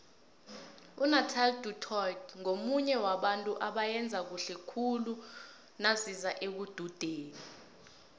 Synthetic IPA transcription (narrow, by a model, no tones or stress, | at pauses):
unatʰalditʰɔjtʰŋomuɲɛwaɓantʼuʔaɓajɛnd͡zʱak̬uɬɛkʰulu | nasizaʔek̬ud̥ʱud̥ʱeːni